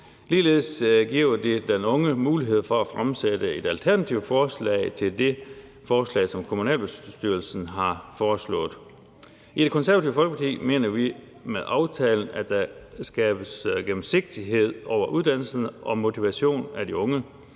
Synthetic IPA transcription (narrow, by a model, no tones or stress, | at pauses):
liːle̝ð̩ˠsɡ̥iɐd̥e̝d̥enɔ̽ŋəmuːliɦe̝ð̞̰ˠfɒ̽æfʁamsed̥əe̝d̥ælt͡sʰæɐnæt͡sʰiʊfɒːslɛ̰ɪt͡sʰe̝ld̥e̝ | fɒːslɛ̰ːɪsɒ̽mkʰo̝munɛ̰ːlb̥e̝sd̥yɐl̩sn̩ɦɑ̈fɒːslɔ̰̽ːð̩ˠ | i̥e̥kʰɒ̽nsæɐʋæt͡sʰiʊfɒlɡ̥əpʰɑkʰḭːme̝̰ːnɐʋi | meðˠʔɑ̈ʊt͡sʰɛːln̩æ̥d̥æsɡ̥ɛːb̥əsɡ̥em̩se̝ɡ̥̚d̥iɦe̝ð̞̰ˠɒʊ̰ɐʔuðˠd̥æn̰l̩sn̩ʔɒ̽mo̝t͡sʰiʋæɕo̝̰ːnæd̥iɔ̽ŋə